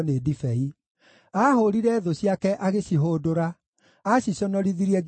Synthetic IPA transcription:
nedifɛi | ahoɾiɾɛðoɕiakɛʔaɣeɕiɦoːdoɾa | aɕiɕɔnɔɾiðiɾiɛɡ

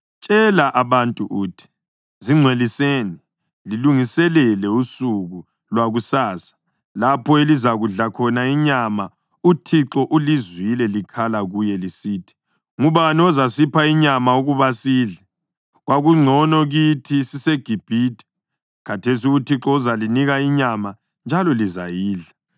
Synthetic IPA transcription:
t͡ʃʼɛlaʔaβantʼuʔuːtʰi̥ | ziŋ͡ǀʱweliseːni | liluŋisɛlɛlɛusuɣu | lwaɣusaːsḁ | lapʰɔelizaɣuɮakʰɔnaiɲama | utʰiǁɔʔulizwilɛlikʰalaɣujɛlisiːtʰi̥ | ŋuβaniɔzasipʰaiɲamauɣuβasiːɮɛ | ɣwaɣuŋ͡ǀʱɔnɔɣitʰisiseɡ̥ʱib̥ʱiːdʼɛ̥ | kʰatʰesiutʰiǁɔuzaliniɣaiɲama | nd͡ʒʱalɔlizajiːɮa

